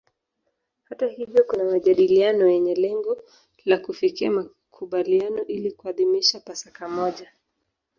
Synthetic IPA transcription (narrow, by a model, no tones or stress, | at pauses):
hatahivjɔkunamaʄaɗilianɔjɛɲɛlɛŋɡɔ | lakufikiama | kʰuɓalianɔʔilikuaðimiʃapasakamɔʄa